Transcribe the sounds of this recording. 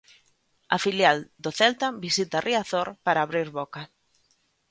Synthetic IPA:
ɐfiljald̪oθɛlt̪abisit̪arʔiaθoɾpaɾaːβɾiɾβɔka

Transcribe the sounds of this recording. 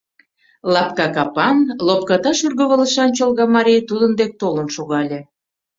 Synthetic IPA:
lɑp̚kɑkɑpɑnlop̚kɑt̪ɑʃyrɣə̆βə̆lə̆ʃɑnt͡ɕəlˠɣɑmɑɾʲijt̪ud̪ənd̪ek̚t̪olənʃoɣɑlʲe

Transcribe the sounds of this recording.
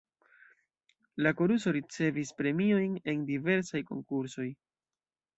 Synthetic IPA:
lako̞ɾuso̞ɾit͡se̞vispɾe̞mio̞jne̞ndive̞ɾsajko̞̰ŋkuɾso̞j

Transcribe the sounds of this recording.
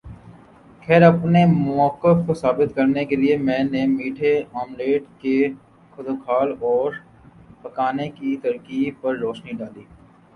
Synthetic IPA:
kʰɛːɾɐpnemɔːkɪfkosaːbɪt̪kɐɾnekeliemɛ̃ːnemiːʈʰeaːmleːɖke | kʰʊd̪oːkʰaːlɔːɾ | pɐkaːnekit̪ɐɾkiːb̚pɐɾɾɔːʃniɖaːliː

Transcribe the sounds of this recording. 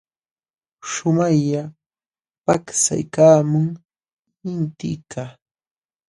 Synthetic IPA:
ʃʊmajʎa | paksa̰jkaːmʊŋ | ɪnt̪ɪ̰kaː

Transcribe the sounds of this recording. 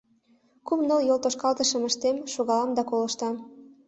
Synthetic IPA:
kumnoljolt̪oʃkɑlt̪əʃə̆mə̆ʃt̪emʃoɣɑlɑmd̪ɑkolɤ̆ʃt̪ɑm

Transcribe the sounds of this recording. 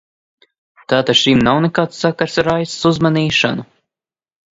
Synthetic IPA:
t̪aːt̪aʃimnawnekaːt̪sːakaɾsɾajssuzmaniːʃa̰nu

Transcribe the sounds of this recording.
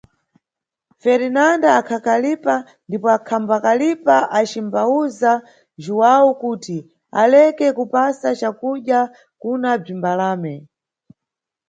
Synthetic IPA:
fɛɾinandaːkʰakalipa | ndipɔakʰambakalipaʔat͡ʃimbauza | ʒuwawukuːti | a̰lɛkɛkupasat͡ʃakuɗja | kunab͡ʐimbalaːmɛ

